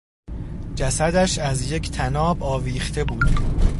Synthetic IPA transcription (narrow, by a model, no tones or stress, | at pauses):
d͡ʒæsæd̪æʃæzje̞cʰt̪ʰænɒːbɒːviːχt̪ʰe̞buːd̪̥